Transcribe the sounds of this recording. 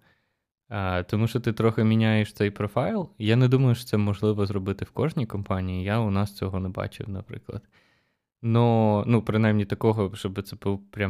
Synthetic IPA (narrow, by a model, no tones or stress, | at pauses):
t̪ɔmuʃt͡ʃɔt̪ɪt̪ɾɔxɪmʲinʲajeʃt̪sɛjpɾɔfɑjlˠjanɛd̪umɐjʊʃt̪sɛmɔʒlˠɪʋɔzɾɔbɪt̪ɪwkɔʒnʲikɔmpɑnʲijijaʊnɑst͡sʲɔɦɔnɛbɑ̰t͡ʃɪ̰wnɐpɾɪ̰klˠɐ̰d̪̥ | nɔnupɾɪnajmnʲit̪ɐkɔɦɔʃt͡ʃɔbɨt̪sɛbupɾʲa